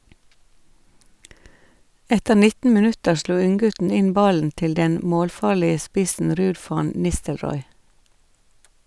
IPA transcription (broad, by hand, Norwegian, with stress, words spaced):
ˈɛtəɾ ˈnɪtn̩ mɪˈnʉtəɾ ˈsluː ˈʉŋˌɡʉtn̩ ˈɪn ˈbɑln̩ ˈtɪl ˈdɛn ˈmoːlˌfɑːɭɪə ˈspɪsn̩ ˈɾʉːd ˈfɑn ˈnɪstəlˌɾɔʏ